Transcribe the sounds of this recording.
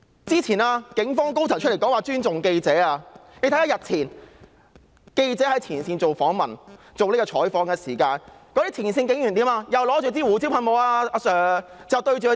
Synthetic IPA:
t͡siː˥t͡sʰiː˨˩naː˧kɪ˨˧˥ŋfɔː˥ŋk̬o˥wt̪ʰwt͡ʃʰle˨˩jkɔː˨˥ŋwaː˨t͡ʃyː˥nt͡sʊ˨ŋke˧jt͡sɛː˨˦˥aː˧ne˨˧t̪ʰɐ˦˥jːjɐ˨t̚t͡sʰiː˨˩n | ke˧jt͡sɛː˨˥hɐ˨˥jt͡sʰiː˨˩nsiː˧nt͡so˨wfɔː˨˥ŋmɐ˨˩n | t͡so˨wliː˥kɔː˧t͡ʃʰɔː˨˥jfɔː˨˥ŋkɛː˧siː˨˩kaː˧nkɔː˧ɾiː˦˥t͡sʰiː˨˩nsi˧ŋkɪ˨˥ŋjy˨˩nt̪iː˨˥maː˧jɐ˨wlɔː˨˥t͡ʃyː˨t͡siː˥wu˨˥˩t͡siː˥wpʰɐ˨˧nmo˨˧waː˧aː˧sœː˨˩t͡sɐ˨wt̪ɵ˧ɥt͡ʃyː˨˧

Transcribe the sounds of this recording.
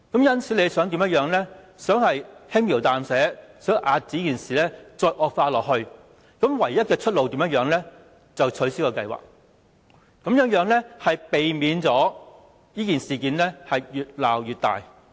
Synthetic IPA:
kɐ˨˥mjɐ˥nt͡sʰiː˨˥le˨˧jsœː˨˥ŋt̪iː˨˥mjɐ˥t̚jœː˨˧ŋlɛː˥ | sœː˨˥ŋhɐ˨jhɪ˥ŋjiː˨˩wt̪aː˨msɛː˨˥sœː˨˥ŋʔaː˨˧t̚t͡siː˨˥kiː˨˩nsiː˨˩lɛː˥t͡sɔː˧jʔɔː˧k̚faː˧lɔː˨k̚hɵ˧ɥ | kɐ˨˥mwɐ˨˩jjɐ˥t̚kɛː˧t͡ʃʰɵ˥t̚lo˨wt̪iː˨˥mjɐ˥t̚jœː˨˧ŋlɛː˥ | t͡sɐ˨wt͡ʃʰɵ˨˥ɥsi˥wkɔː˧kɐ˧jwa̰ː˨k̚ | kɐ˨˥mjœː˨˧˥ŋjœː˨˧ŋlɛː˥hɐ˨jpe˨jmiː˨˧nt͡sɔː˨˥ | jiː˥kiː˨nsiː˨˩kiː˨˧nlɛː˥hɐ˨jjyː˨t̚laː˨wjyː˨t̚t̪a̰ː˨j

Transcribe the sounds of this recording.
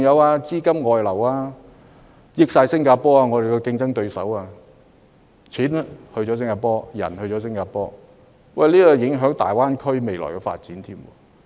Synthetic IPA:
ŋjɐ˨˧waː˧t͡siː˥kɐ˥mŋɔː˨jlɐ̰˨˩waː˧ | jɪ˥k̚saː˧jsɪ˥ŋkaː˧pɔː˥aː˧ŋɔː˨˧e˨jkɔ˧kɪ˧ŋt͡sɐ˥ŋt̪ɵ˧ɥsɐ̰˨˥waː˧ | t͡sʰiː˨˥nhɵ˧ɥt͡ɕɔː˨˥s̬ɪ˥ŋkaː˧˥pɔː˥jɐ̰˨˩nhɵ˧ɥt͡ʃɔː˨˥s̬ɪ˥ŋkaː˧pɔː˥ | wɐ˨jliː˥lɔ˨˧jɪ˨˥ŋɦœː˨˥ŋt̪aː˨˩jwaː˥nkʰɵ˥ɥme˨jlɔ̰ː˨˩kɛː˧fa̰ː˧t̚t͡siː˨˥nt̪ʰiː˥mwɔ̰ː˧

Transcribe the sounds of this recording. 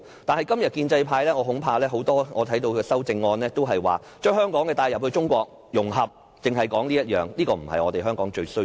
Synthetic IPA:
t̪aː˨nhɐ˨jkɐ˥mjɐ˨t̚kiː˧nt͡sɐ˧jpʰaː˧jlɛː˥ŋɔː˨˧ɦʊ˨˥ŋpʰaː˧lɛː˥ɦo˨˥wt̪ɔː˥ŋɔː˨˧t̪ʰɐ˨˥jt̪o˧wkɛː˧sɐ˥wt͡sɪ˧ŋːɔː˧nlɛː˥t̪o˥wɦɐ˨jwa̰ː˨˩ | t͡ʃœː˥ŋhœː˥ŋkɔː˨˥ŋkɛː˧t̪aː˧jɐ˨p̚hɵ˧t͡ʃʊ˥ŋkʷɔː˧k̚ | jʊ˨˩ŋɦɐ˨p̚ | t͡sɪ˨ŋɦɐ˨˩jkɔː˨˥ŋliː˥jɐ˥t̚jœː˨ŋliː˥kɔː˧m̩˨˩hɐ̰˨jŋɔː˨˧e˨jɦœː˥ŋkɔː˨˥ŋt͡ʃɵ˧ɥsɵ˥

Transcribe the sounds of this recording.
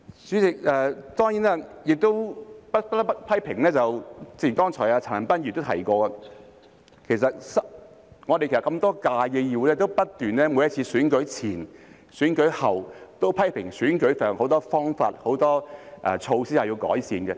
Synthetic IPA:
syː˨˥t͡sɪ˨k̚ʔɛː˨t̪ɔː˥ŋjiː˨˥naː˥jɪ˨k̚t̪o˥wpɐ˥pɐ˥t̪ːppʰɐ˥jpʰɪ˨˩ŋlɛː˥t͡sɐ˨wt͡se˧ŋji˨nt̪ɔː˥ŋt͡sʰɔː˨˩aː˧t͡sʰaː˨˩n˨˩npɐ˥njyː˨t̪o˥wt̪ʰɐ̰˨˩jkɔː˧kɐ˧ | kʰe˨˩s̬ɐ˨t̚sɐ˥ | ŋɔː˨˧t̪e˨kʰs̚kɐ˧mt̪ɔː˥kaː˧je˧jiː˧wlɛː˥t̪o˥wpɐ˥t̚t̪yː˨nlɛː˥mu˨˧jɐ˥t͡sʰiː˧syː˨˥nkɵ˨˥ɥt͡sʰiː˨˩n | syː˨˥nkɵ˨˥ɥhɐ˨˩wt̪o˥wpʰɐ˥jpʰɪ˨˩ŋsyː˨˥nkɵ˨˥ɥfœː˨˩ŋho˨˥wt̪ɔː˥fɔː˥ŋfa̰ː˧t̚ho˨˥wt̪ɔː˥ʔɛ̰ː˨t͡ʃʰo˧wsiː˥jɐ˨˩ji˧wkɔ̰ː˨˥jsiː˧nɡɛ˧

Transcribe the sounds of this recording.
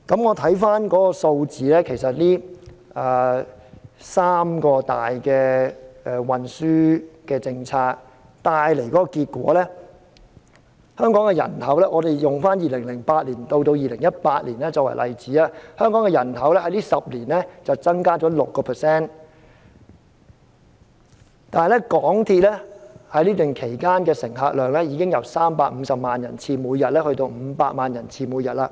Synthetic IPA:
kɐ˨˥mŋɔː˨˧t̪ʰɐ˨˥jfaː˥nkɔː˨˥kɔː˧so˧wt͡siː˨˦lɛː˥kʰe˨˩jsɐ˨t̚liː˥aː˨˩ | saː˥mkɔː˧t̪a̰ː˨˩jkɛː˧ʔɛ˨˩wɐ˨nsyː˥kɛː˧t͡sɪ˧ŋt͡sʰaː˧k̚ | t̪aː˧jle˨˩jkɔ˨˥kɔ˧kiː˧t̚kʷwɔ̰ː˨˥lɛː˥ | hœː˥ŋkɔː˨˥ŋɛ˧jɐ̰˨˩nh̪ɐ˨˥wlɛː˥ŋɔː˨˧d̪e˨jjʊ˨˩ŋfaː˥njiː˨lɪ˨˩ŋlɪ˨˩ŋpaː˧t̚liː˨˩nt̪o˧wt̪o˧wjiː˨lɪ˨˩ŋjɐ˥t̚paː˧t̚liː˨˩nɛː˥t͡sɔː˧k̚wɐ̰˨˩lʔɐ̰˨jt͡siː˨˥aː˧hœː˥ŋkɔː˨˥ŋɛ˧jɐ˨˩nhɐ˨˥wlɛ˥hɐ˨˦jliː˥sɐ˨p̚liː˨˩nlɛ˥t͡sɐ˨wt͡sɐ˥ŋkaː˥t͡ʃɔː˨˥lʊ˨kːɔː˧pʰə˨˩sɛː˥n | t̪aː˨nhɐ˨jlɛ˥kɔː˨˥ŋt̪ʰiː˧t̚lɛ˥hɐ˨˥jliː˥t̪y˨nkʰe˨˩jkaː˥nkɛː˧sɪ˨˩ŋhaː˧k̚lœː˨˩ŋlɛː˥jiː˧kɪ˥ŋjɐ˨˩wsaː˥mpaː˧k̚m̩˨˧˦sɐ˨p̚maː˨njɐ˨˩nt͡sʰiː˧muː˨˧jɐ˨t̚lɛː˥hɵ˧t̪o˧wm̩˨˧paː˧k̚maː˨njɐ˨˩nt͡sʰiː˧mu˨˧jɐ˨t̚laː˧

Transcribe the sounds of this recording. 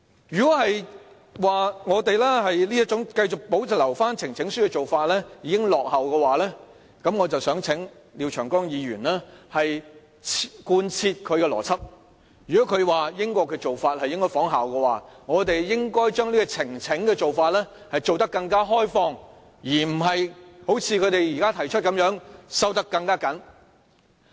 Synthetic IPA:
jyː˨˩kɔ˨˥ɦɐ˨j | waː˨ŋɔː˨˧˥t̪e˨jlɛː˥hɐ˨jliː˥jɐ˥t̚t͡ʃʊ˨˥ŋkɐ˧jt͡sʊ˨˩k̚po˨˥wt͡sʰɪ˨˥lɐ˨˩wfaː˥nt͡sʰɪ˨˩ŋt͡sʰɪ˨˥ŋsyː˥kɛ˧t͡so˨˩wfaː˧t̚lɛː˥jiː˨˧kɪ˥ŋlɔː˨k̚hɐ˨wkɛː˧waː˨˩lɛː˥ | kɐ˨˥mŋɔː˨˧t͡sɐ˨wsœː˨˥ŋt͡sʰɪ˨˥ŋ | liː˨˧wt͡ʃʰœː˨˩ŋkɔː˥ŋjiː˨˧ɥyː˨˩nlaː˥hɐ˨j | kuː˧nt͡sʰiː˧t̚kʰɵ˨˧ɥkɛ˧lɔ̰ː˨˩t͡sʰɐ˥p̚ | jyː˨˩ɔː˨˥kʰɵ˨˧ɥwaː˨jɪ˥ŋkʷɔː˧kːɛ˧t͡so˨wfaː˧t̚hɐ˨jɪ˥ŋkɔː˥jfɔː˨˥ŋɦaː˨wkɛ˧waː˨˩ŋɔː˨˧t̪e˨jjɪ˥ŋkɔː˥jt͡ʃœː˥ŋliː˥kɔ˧t͡sʰɪ˨˩ŋt͡sʰɪ˨˥ŋkɛː˧t͡so˨wfaː˧t̚lɛː˥ | hɐ˨jt͡so˨wt̪ɐ˥kːɐ˧ŋkaː˥ɦɔː˥jfɔː˧ŋ | jiː˨˩m̩˨˩ɦɐ˨jho˨˥wt͡sʰiː˨˧kʰɵ˨˧˥t̪e˨jjiː˨˩kaː˥t̪ʰɐ˨˩jt͡ʃʰɵ˥t̚kɐ˨˥mjœː˨˥ŋsɐ˥wt̪ɐ˥kːɐ˧ŋkaː˥kɐ˨˥n

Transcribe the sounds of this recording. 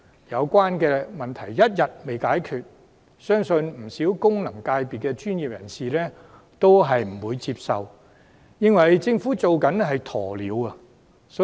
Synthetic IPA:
jɐ˨˧wkʷwaː˥nkɛː˧mɐ˨nt̪ʰɐ˨˩jːɐ˥t̚jɐ˨t̚me˨jkaː˨˥jkʰyː˨˧t̚ | sœː˥ŋsɵ˧nm̩˨˩siː˨˥wkʊ˥ŋlɐ˨˩ŋkaː˧jpiː˨t̚kːɛ˧t͡ʃyː˥njiː˨p̚jɐ̰˨˩nsiː˨˩lɛː˥ | t̪o˥wɦɐ˨jm̩˨˩wuː˨˧jt͡siː˧p̚sɐ̰˨˧w | jɐ˥ŋwɐ˨˩jt͡sɪ˧ŋfuː˨˥t͡so˨wkɐ˨˥nɛ˥ɦɐ˨jt̪ʰɔ̰ː˨˩liː˨˧wɐ˧ | sɔ˨˦˥

